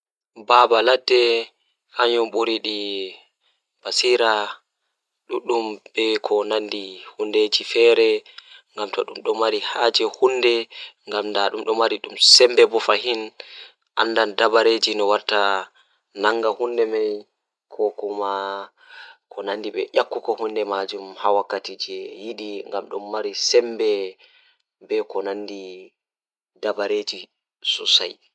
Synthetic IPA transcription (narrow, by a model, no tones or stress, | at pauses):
babaladːɛ | kaɲɔmɓoɾiɗi | b̥asiɾa | ɗuɗːumbɛkʰɔnandihunded͡ʒifɛːɾɛŋɡamtɔɗumɗɔmaɾihad͡ʒɛhundɛŋɡamndaɗumɗɔmaɾiɗumsɛmbɛbɔfahin | ʔa̰nːdandabaɾed͡ʒinɔwaɾta | naŋɡahundɛmaj | kʰɔkuma | kʰɔnandiɓɛ̰ʔakːukɔhundɛmad͡ʒumhawakːatid͡ʒɛjiɗiŋɡamɗumːaɾisɛmbɛ | bɛkɔnandi | dabaɾed͡ʒi | sɔsa̰j